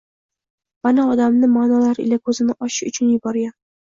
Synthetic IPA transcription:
manaɒd̪amnɪmaːnalaɾɪ̰lakʰɵzɪnɪʔɒʃɪ̥ʃʊt͡ʃʰʊnjʊbɒɾɡʲam

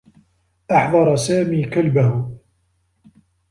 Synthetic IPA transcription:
ʔɑħðˤɑɾˤɑsaːmiːkalbahʊ

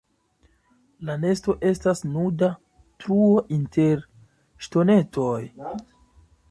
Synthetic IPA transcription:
lane̞sto̞ʔe̞stasnuda | tɾuo̞ʔintʰeɾ | ʃto̞ne̞tʰoj

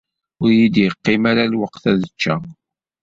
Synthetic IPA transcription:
ʊɾjid̪jəqːɪmaɾalwəqθæðət͡ʃːæ

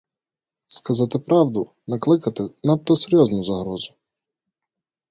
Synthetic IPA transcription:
skɐzɑt̪ɪpɾɑwd̪ʊ | nɐklˠɪkɐt̪ɪnɐt̪ːɔseɾʲjɔznʊzɐɦɾɔzʊ

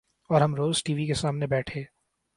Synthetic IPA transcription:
ɔːɾɦɐmɾoːzʈiːʋikesaːmnebɛːʈʰeː

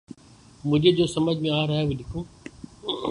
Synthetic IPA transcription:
mʊ̃ɦd͡ʑed͡ʑoːsɐməd͡ʑʱmẽaːɾɐɦeʋẽɗɪkʰũː

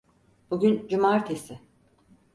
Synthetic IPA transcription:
b̥uɟʲynd͡ʒumaːɾt̪ʰesɪ

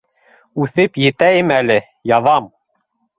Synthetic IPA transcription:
ʉθɘpjɘ̆t̪æjɘmælɘ | jɑðɑm

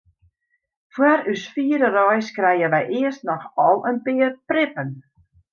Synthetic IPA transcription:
fwaɾysfiːəɾərɔjskrɛjəʋɛjʔɪəstnɔxɔlˠənpɪərprɪpən

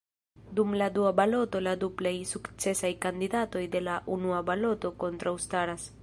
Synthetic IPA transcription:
dumladuabalo̞to̞laduplajsukt͡se̞sajkandidato̞jde̞laʔunuabalo̞to̞ko̞ntɾawstaɾas

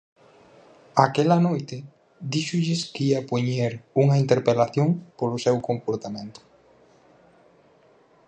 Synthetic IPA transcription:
akɛlɐnojt̪ɪ | d̪iʃʊʎɪskiɐpoɲeɾuŋɐint̪eɾpelaθjoŋpolʊsewkompoɾt̪amẽnt̪ʊ̥

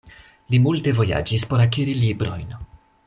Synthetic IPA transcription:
limulte̞vo̞ja̰d͡ʒispo̞ɾakiɾilibɾo̞̰jn

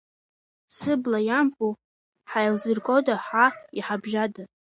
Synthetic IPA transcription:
t͡sʰɨblajampʼu | ħajlzɨrkʼodaħaiħabʒada

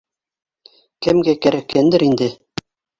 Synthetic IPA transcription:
kɘ̆mɡækæɾækːænd̪ɘɾind̪ɘ

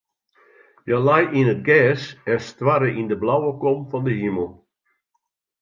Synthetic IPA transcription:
jəlajinət̚ɡɛːsɛstwaɾəʔindəblawəkɔmfɔndəɦiməlˠ

